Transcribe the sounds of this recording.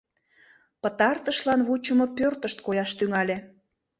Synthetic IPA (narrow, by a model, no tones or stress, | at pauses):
pə̆t̪ɑrt̪əʃlɑnβut͡ɕəmopørt̪əʃt̪kojɑʃt̪yŋɑlʲe